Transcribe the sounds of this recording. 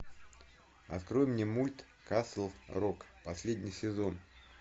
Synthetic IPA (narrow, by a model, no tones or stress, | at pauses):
ɐ̰t̪kɾo̞jɪmnʲemulʲt̪ | kasl̩ˠrokpɐsʲlʲed̪ʲnʲɪjsʲɪzo̞n